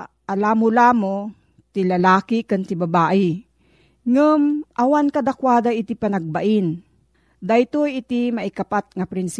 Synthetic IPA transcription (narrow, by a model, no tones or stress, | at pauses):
ʔalamʊlamo | t̪ɪlɐlaːkɪkant̪ɪbɐbaːʔɪ | ŋʊmʔɐwankɐd̪akwaːd̪aʔit̪ipanɐɡ̚baʔɪn | d̪ajt̪ojɪt̪imaʔɪkapat̪̚ŋapɾɪns